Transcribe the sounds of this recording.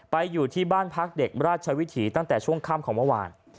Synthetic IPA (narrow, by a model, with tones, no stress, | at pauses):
pa˧jːuː˨˩t̪ʰiː˥˩baː˥˩npʰa˦˥k̚de˨˩k̚ɾaː˥˩t̪̚t͡ɕʰa˧wi˦˥t̪ʰiː˩˦t̪a˥˩ŋt̪ɛː˨˩t͡ɕʰu˥˩əŋkʰaː˥˩mkʰɔː˩˦mə˥˩wa̰ː˧n